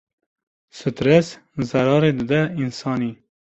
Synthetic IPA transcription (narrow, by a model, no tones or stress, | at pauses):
sɨt̪ɾes | zɐɾɑːɾed̪ɨd̪ɛinsɑːniː